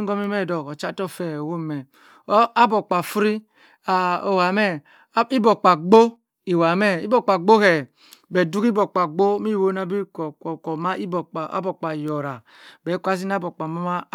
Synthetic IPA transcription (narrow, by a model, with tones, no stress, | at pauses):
ŋ˦ɡɔ˦mi˦mɛ˦˨dɔ˨kɔ˨t͡ʃa˦tɔ˦˨fɛ˨o˨wo˦˨mɛ˨˦ | a˦bo˨k͡pa˨fu˦ɾi˦ | a˨o˨wa˨˦mɛ˦ | i˦bo˨k͡pa˨ɡ͡bo˦ | i˨wa˨˦mɛ˦ḭ˦bo˨k͡pa˨ɡ͡bo˦hɛ˨ | bɛ˨du˦ki˦bo˨k͡pa˨ɡ͡bo˦mi˦˨wo˦na˨bi˦kkɔ˨ma˦i˦bo˨k͡pʔa̰˦bo˨k͡pa˨jɔ˨ɾa˨ | bɛ˨˦ka˦s̬i˦n˦a˦bo˨k͡pa˨ma˦ma˦